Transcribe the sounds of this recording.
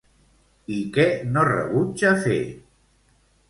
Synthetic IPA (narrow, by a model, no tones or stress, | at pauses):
ikɛnorə̰βut͡ʃafḛ